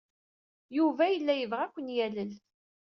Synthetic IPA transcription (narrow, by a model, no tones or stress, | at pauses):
juvæjəlːæjəvʁækʷːənjæləl